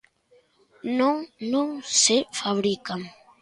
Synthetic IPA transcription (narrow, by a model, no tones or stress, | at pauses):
nõŋnõŋsefaβɾikaŋ